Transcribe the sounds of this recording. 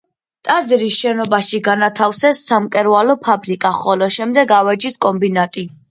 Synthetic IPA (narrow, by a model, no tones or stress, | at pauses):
t̪ʼaziɾisʃɛnɔbaʃiɡanat̪ʰafsɛsːamkʼɛɾvalɔpʰabɾikʼaχɔlɔʃɛmd̪ɛɡavɛd͡ʒiskʼɔmbinat̪ʼi